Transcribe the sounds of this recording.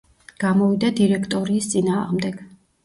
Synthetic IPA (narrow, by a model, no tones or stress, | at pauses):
ɡ̥amɔvid̪ad̪iɾɛkʰt̪ʼɔɾiːst̪sʼinaːʁmd̪ɛɡ̥